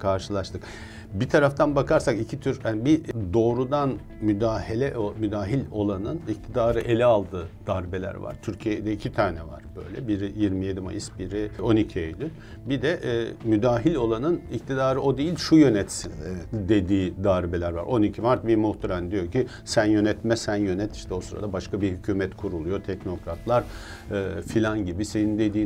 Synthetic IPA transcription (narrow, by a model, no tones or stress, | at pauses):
kʰaɾʃɯlˠaʃt̪ɯk | bit̪ʰaɾaft̪ʰanbakʰaɾsakicʰit̪ʰyɾhanbid̪o̞ːɾud̪an | myd̪aːhelʲɛʔomyd̪aːɦilʲo̞lˠanɯnic̚t̪ʰid̪aːɾɯʔe̞lʲɛalˠd̪ɯːd̪̥aɾbelʲæ̰ɾva̰ɾ̥t̪ʰyɾcʰijɛd̪ɛicʰit̪ʰaːnɛva̰ɾ̥bø̞̰jlʲɛbiɾijiɾmije̞d̪ima̰jisbiɾio̞nicʰiejlʲy | bid̪ɛʔmyd̪aːɦilʲo̞lˠanɯnict̪ʰid̪aːɾɯod̪ijilʲʃujø̞nɛt̪sid̪e̞d̪iːd̪aːɾbelʲæɾva̰ɾo̞nicʰimaɾt̪̚biɾmuht̪ʰaɾand̪ijo̞cʰi | sænjø̞nɛt̪mɛsænjø̞nɛt̪iʃt̪ʰɛo̞suɾa̰d̪abaʃkabihycʰyːmɛt̪kʰuɾulˠujot̪ʰɛcno̞kɾat̪ʰlˠaɾ | filʲanɟibise̞nind̪e̞d̪iː